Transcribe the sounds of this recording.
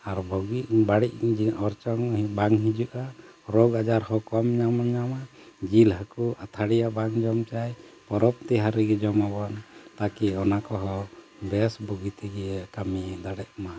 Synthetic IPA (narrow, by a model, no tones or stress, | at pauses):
aɾbɔɡiʔbaɽiʔd͡ʒɔɾt͡ʃɔŋbaŋɦid͡ʒuʔaɾɔɡad͡ʒaɾhɔkɔamɲamaɲamad͡ʒilɦakuat̪ʰaɽijabaŋd͡ʒɔmt͡ʃajpɔɾɔpt̪iɦaɾiɡɛd͡ʒɔmabant̪akiɔnakɔɦɔ | bɛsbɔɡit̪ɛɡɛɛkamid̪aɽɛʔ̚ma